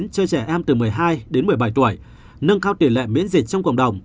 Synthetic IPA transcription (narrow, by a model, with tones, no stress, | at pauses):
nt͡ɕəː˧jt͡ɕɛ˧˩ʔɛ˧mt̪ɨ˨˩mɨ˨˩əjɦaː˧jɗe˨˦nmɨ˨˩əjɓa˧˩jt̪u˧˩əj | nə˧ŋkaː˧wt̪i˧˩əlɛ̰˧˨mḭ˧˥nzi˨˩t̚t͡ɕɔ˧wŋ͡mkə̰˧˨wŋ͡mɗə˨˩wŋ͡m